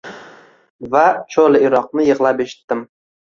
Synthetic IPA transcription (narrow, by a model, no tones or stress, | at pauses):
vat͡ʃʰolɪɪɾɒqnɪjɨʁlˠapeʃɪ̥t̪ːɪm